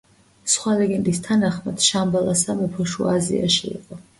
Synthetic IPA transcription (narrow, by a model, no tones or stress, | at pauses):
sχwalɛɡɛnd̪ʼist̪ʰanaχmad̪̥ʃambalasamɛpʰɔʃuazḭa̰ʃiḭqʼɔ